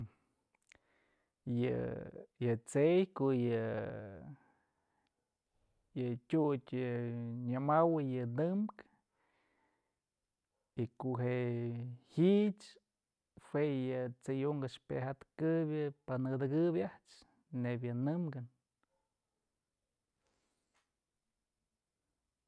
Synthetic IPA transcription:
jɨ̰jɨt͡sejkoʔjɨ | jɨtʲutʲɨɲɨmawɨjɨnɨmk | ikoʔɦe | hiʔt͡ʃ | hwʷejɨt͡sejuŋɡaʂpḛɦat̪kɨbjɨpanɨd̪ɨɡɨbʲjaht͡ʃ | nebjɨnɨmɡɨn

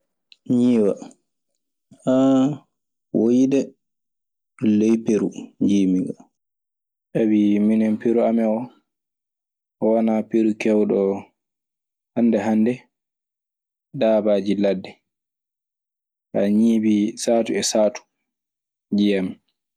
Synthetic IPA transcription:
ɲiːwa̰ | ʔa | wʔojidɛ | lejpeɾuɲd͡ʒimiŋɡa | ʔabiminɛmpeɾuamɛɔ | ɔwanapeɾukɛwɗɔ | handɛɦandɛ | daːbad͡ʒiladːɛ | ʔaɲiːbisaːtuɛsaːtu̥ | d͡ʒijamɛ

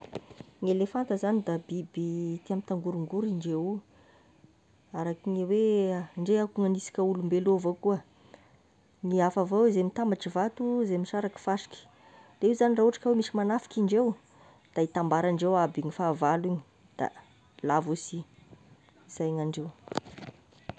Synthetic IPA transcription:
ŋelefant̪əzanid̪abibit̪iamit̪aŋɡuɾuŋɡuɾiɳɖ͡ʐewu | aɾakiɲiweɳɖ͡ʐeakuŋanisi̥kʲəulumbelovokuə | niafavowzemit̪ambaʈ͡ʂivat̪uzemiʃaɾakə̥faʂi̥kʲi̥ | d̪eiuzanirauʈ͡ʂḁkəwemisimanafi̥kiɳɖ͡ʐew | d̪̥ait̪ambaɾaɳɖ͡ʐewabiŋifaːvaliɲi̥ | d̪̥a̰ | lavusi | iz̥ajŋaɳɖ͡ʐew

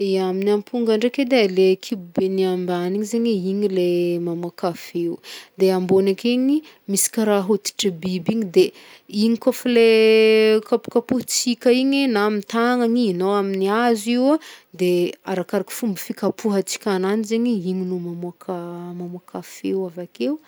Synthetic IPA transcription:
eaminampʰuŋɡaɳɖ͡ʐeked̪elekʰibubeniambaniɲizeɲeiɲilemamakafewud̪eambonakeɲi | misi̥kʲaɾaɦot̪i̥ʈ͡ʂibibiɲid̪e | iɲikofale | kapu̥kapuɦt͡sikʲaiɲenamint̪aŋaɲiinowaminiaziwad̪eaɾakaɾaki̥fumbifikapʰuɦat͡si̥kʲananizeɲiiɲinumamuakamamuakafewavakeu

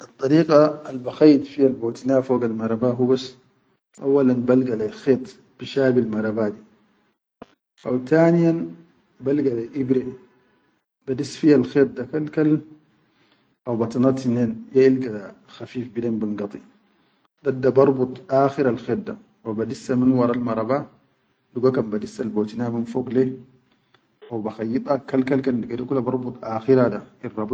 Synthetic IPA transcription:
ʔɑt̪ˤːɑɾiːqaalbaxajːd̪fihalboːt̪inaːfoːɡalmaɾˤɑbaɦubas | ʔa̰wːalanbalɡalaxeːt̪ˤ | b̥iʃaːbilmaɾˤɑbaːd̪i | ʔawt̪aːnijan | balɡaleʔibɾi | b̥ad̪isːfihalxeːt̪̚ˤd̪akalkal | ʔawbat̪inɑt̪inenjailɡad̪a | xafiːfbidembiŋɡɑt̪ˤi | dadːabɑɾˤbut̪ˤʔaːxiɾalxed̪̚da | wabadisːaminwɑɾˤɑlmɑɾˤɑba | duɡakambadisːalbot̪inaminfoɡle | ʔawbaxajːit̪ˤakːalkalkandiɡadikulːabɑɾˤbut̪ˤaːxiɾadairˤːɑb

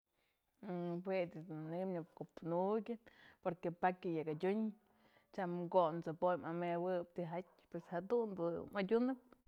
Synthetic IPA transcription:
ɨɦwedʲid̪unnɨmnɨp̚kopnuɡʲɨnpoɾkepakʲɨjakadʲuɲ | t͡ʃamɡont͡sɨpojmamewɨpt̪iɦatʲ | pweshad̪und̪umadʲunɨp̚

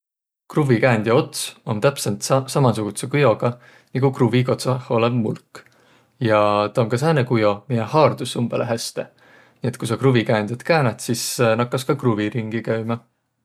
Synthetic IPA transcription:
kruvikæːnd̪jɑo̞t̪so̞nt̪æpsent̪sɑmɑsuɡ̥ut̪sekujo̞ɡɑ | niɡukruviko̞t̪sɑho̞lebmulkː | jɑt̪ɑoŋkɑs̬æːnekujo̞mijehɑːrd̪̥usːumb̥eleɦæst̪e̞ | niet̪̚ˑkusɑkruvikæːnd̪̥ʲjɑt̪kæːnɑt̪sisnɑkːɑskɑkruviɾiŋɡ̥ikæɥmɑ

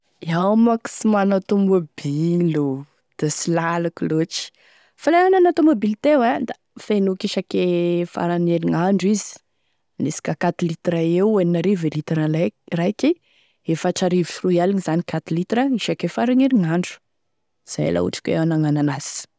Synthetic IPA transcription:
iawmaki̥simanat̪omobilu | d̪̥asilalakiloʈ͡ʂi̥ | falajananat̪omobilt̪ewad̪a | fenukiʃakefa̰ɾaneɾiŋaɳɖ͡ʐizi̥ | nesi̥kakat̪ilit̪raeweninaɾivelit̪iɾalarajki | efaʈ͡ʂaɾivifrualinizanikat̪ilit̪rəiʃakefaɾaneɾiŋaɳɖ͡ʐu̥ | z̥aja̰lʔa̰ṵʈ͡ʂḁkʲḛwanaŋananasi̥

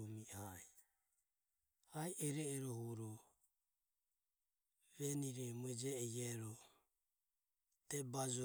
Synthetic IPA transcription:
umihaɛ | aiʔɛɾɛːɾɔhɔɾɔ | βɛniɾɛmuɛd͡ʒɛɛjɛɾɔ | t̪ɛbad͡ʒɔ

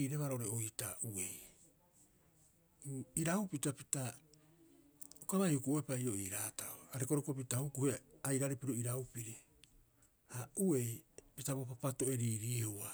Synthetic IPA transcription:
iːɾeβaɾooɾeojitaue̞j | iɾawpitapita | ukaβajhukuoepaio̞iːɾaːtaoaɾekoɾokop̬itahukuheajɾaɾipiɾoiɾaupiɾi | aue̞jpitaβopapato̞e̞ɾiːɾihua

